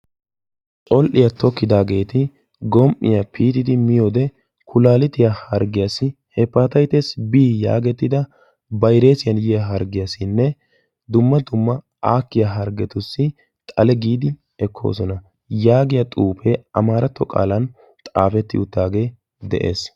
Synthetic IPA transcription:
t̪ʼɔlʔɪjɐt̪ʰɔkːɪd̪aːɡe̞ːt̪ɪ | ɡɔmʔɪ̰jɐpʰiːt̪ɪd̪ɪmɪjoːd̪ɛ | kʰʊlaːlɪt̪ɪjahɐɾɡɪjasɪhɛpːat̪ɐjt̪esbiːja̰ːɡɛt̪ːɪd̪ɐ | bɐjɾe̞ːsɪjɐnjɛjaɦɐɾɡɪjasɪnːɛ | d̪ʊmːɐd̪ʊmːɐ | aːkːɪjaɦɐɾɡɛt̪ʊsːɪ | t̪ʼɐlɛɡiːd̪ɪ | ɛkʰːo̞̰ːsɔnɐ | jaːɡɪjɐt̪ʼuːpeɐmaːɾʔɐt̪ːɔkʼa̰ːlɐn | t̪ʼaːfɛt̪ːɪ̰ʊt̪ːaːɡe̞ː | d̪ɛ̰ʔḛːs

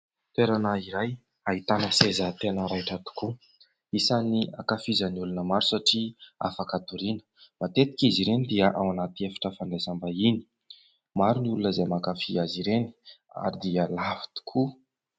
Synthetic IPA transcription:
t̪eɾanaiɾaj | aɦit̪anəsezət̪enəɾaʈ͡ʂat̪u̥ku | isania̰kafizəniulunəmaɾusaʈ͡ʂia̰fakat̪uɾinə̥mat̪et̪i̥kiziɾenid̪iəʔawanat̪iefḁʈ͡ʂəfanɖ͡ʐesambaini̥ | maɾuniulunəzajmakafiaziɾeni̥a̰ɾid̪iəlavi̥t̪u̥kʰu

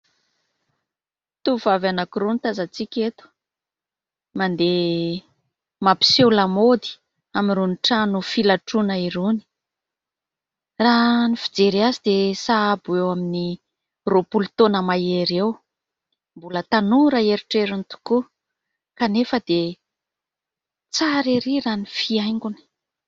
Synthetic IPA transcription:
t̪uvavanakuɾunit̪azat͡sikʲet̪u̥ | mand̪e | mapi̥selamod̪i̥ | amiɾuniʈ͡ʂanufilaʈ͡ʂunaiɾuni̥ | ranifid͡zeɾiazid̪esaabuewamini | ropulut̪onəmaeɾew | mbulət̪anuɾaeɾiʈ͡ʂeɾint̪u̥ku | kanefəd̪e | t͡saɾiɾiranifiajŋɡuni̥

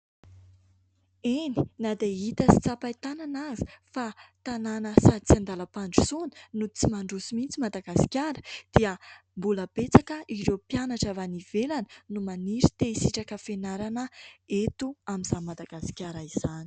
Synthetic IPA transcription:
eni̥nad̪eit̪əsi̥t͡sapait̪ananazi̥fat̪ananəsat͡siand̪alapaɳɖ͡ʐu̥suni̥nut͡simaɳɖ͡ʐusimint͡simad̪aɡasi̥kʲjaɾə̥d̪̥iəmbuləb̥et͡sakəʔiɾewpjanaʈ͡ʂavaniv̥elanə̥numaniɾit̪eisiʈ͡ʂakəfenaɾanəet̪uamizamad̪aɡ̥asi̥kʲaɾaiz̥ani̥

